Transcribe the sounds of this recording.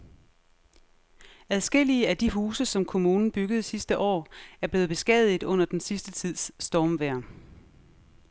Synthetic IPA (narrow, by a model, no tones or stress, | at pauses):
æð̞ˠsɡ̥e̝l̰iəæd̥iɦuːsəsɒ̽mkʰo̝muːnn̩b̥yɡ̥əð̞̩ˠsisd̥əʔɒ̰ːæɐb̥le̝ːð̩ˠb̥e̝sɡ̥ɛ̰ð̞ˠið̩ˠɔ̽n̰ɐd̥ensisd̥ət͡sʰið̰ˠsːd̥ɒːmʋæɐ̰